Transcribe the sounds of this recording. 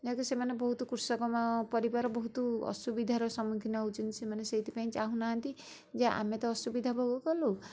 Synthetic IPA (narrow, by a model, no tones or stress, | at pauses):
d͡ʒak̪usemanebɔɦut̪ɔkuɾsɔkɔmapɔɾibaɾɔbɔɦut̪ɔɔ̰subid̪ʱaɾɔsɔmukʰinaɦut͡ʃʰɔnt̪i̥semaneseɦit̪ʰi̥paĩt͡ʃaɦũnaɦɔnt̪i | d͡ʒeʔa̰met̪ɔːsubid̪ʱabʱoɡɔkɔlu